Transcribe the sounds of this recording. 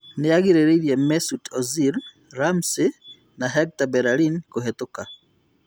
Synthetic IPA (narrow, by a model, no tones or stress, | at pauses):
nejaɣiɾeɾeiɾjemesutoziɾ | ɾamsi | naɦeɡ̚tabeɾalinkuɦetuka